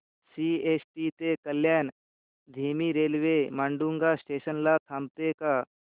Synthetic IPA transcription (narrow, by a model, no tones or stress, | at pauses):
siːesʈit̪ekəlːjaːn | d̪ʱiːmiɾeːlʋemaːɳɖuŋɡasʈeːʃənlat̪ʰaːmt̪eka